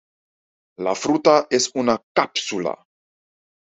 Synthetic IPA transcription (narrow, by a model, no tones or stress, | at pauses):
la̰fɾut̪aʔesunakapsula̰